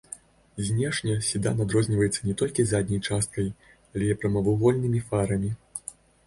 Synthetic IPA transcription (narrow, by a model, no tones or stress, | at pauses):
zʲnʲɛʂnʲɐsʲid̪a̰nad̪ɾɔzʲnʲivɐjɛt̪sːɐnʲɛt̪ɔlʲkʲizad̪ʲnʲɐjt͡ʂast̪̚kɐj | alʲɛipɾɐmɐvɨɣɔlʲnɨmʲifaɾɐmʲi